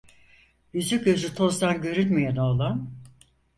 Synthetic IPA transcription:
jyzyc̚øzyt̪ʰo̞zd̪anɟø̞ɾynmijɛnoːlˠan

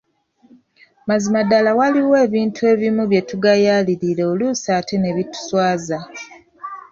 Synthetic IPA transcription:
mazimadalawaliwe̞ːβiːntʰue̞ːβimuβje̞tuɡajaliɾiɾe̞olusaːtʰe̞ne̞βitu̥swaːza

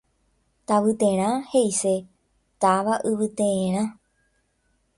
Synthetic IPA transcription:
t̪aʋɨt̪ẽɾ̃ãhe̞ise | t̪aʋaʔɨʋɨt̪ẽẽɾ̃ã

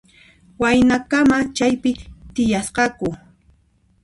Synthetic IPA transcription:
wajnakamat͡ʃajpɪt̪ɪjasqɑkʊ

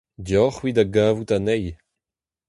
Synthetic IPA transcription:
djɔχwid̪aɡaːvut̪anɛj

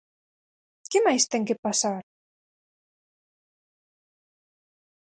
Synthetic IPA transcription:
kemajst̪eŋkepasaɾ

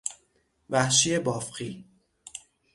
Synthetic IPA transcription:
væhʃiebɒːfɢiː

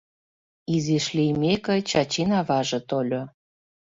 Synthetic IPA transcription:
iziʃlimekɤ̆t͡ɕɑt͡ɕinɑβɑʒɤ̆t̪olʲo

